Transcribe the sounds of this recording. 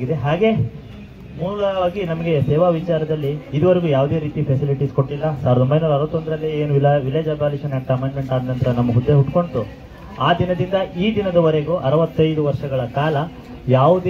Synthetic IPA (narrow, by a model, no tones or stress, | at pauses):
ɡid̪eɦaːɡe̞ | muːɭɐaːɡinɐmɐɡe̞sɛːʋaːʋit͡ʃaːɾɐd̪ɐlːiːd̪uʋɐɾeɡuːjaːʋd̪e̞ːɾiːt̪ipʰesiliʈisko̞ʈːilːɐsaːʋɾɐd̪ombɐjnuːɾɐɾʋɐt̪ːond̪ɾɐlːieːnuʋilʋiled͡ʒabaːliʂɐnɐʈkɐmeːɳɖme̞ɳʈaːd̪nɐnt̪ɾɐnɐmːɐɦud̪ːeɦuʈko̞ɳʈu | aːd̪inɐd̪ind̪ɐʔiːd̪inɐd̪ɐʋɐɾe̞ɡuʔɐɾɐʋɐt̪ːɐjd̪uʋɐɾʂɐɡɐɭɐkaːlɐ | jaːʋud̪e